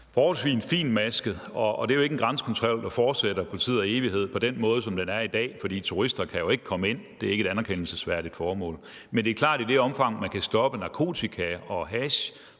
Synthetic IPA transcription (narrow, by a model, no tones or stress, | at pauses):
fɒːhɒlsʋḭːnfḭːnmæsɡ̥əð̩ˠɒ̽d̥e̝ɐjo̝e̝ɡ̥en̩ɡ̥ʁɑansəkʰɒnt͡sʰʁɔl̰d̥ɑfɒːd̥seɾ̥ɐpʰoli̥t͡sʰḭð̰ˠɐe̝ːʋihe̝ð̞̰ˠpʰɒ̽d̥enmɔ̽ːð̞̩ˠsɒ̽md̥enæɐid̥ɛ̰ːfɒ̽d̥ḭːt͡sʰuʁisd̥ɐkʰæjo̝e̝ɡ̥ə̥kʰɒ̽məe̝n̰d̥e̝æɐeɡəe̝ɾænɐkʰen̰l̩səsʋæɐɾ̥id̥fɒːmɔ̰̽ːl | mend̥e̝ɐkʰl̥ɑ̰̈ːd̥id̥e̝ɒ̽mfɑ̈ŋ̰mænkʰæsd̥ɒ̽b̥ənɑ̈kʰo̝̰ːt͡sʰikʰæɒ̽ɦæɕ